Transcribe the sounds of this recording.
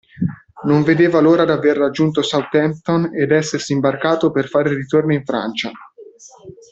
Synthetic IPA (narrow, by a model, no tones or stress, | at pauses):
noɱved̪eːvaloːɾad̪averːad͡ʒːunt̪osawt̪ɛmp̚t̪oned̪ɛsːersimbarkaːt̪operfaːɾerit̪ornoiɱfɾa̰nt͡ʃa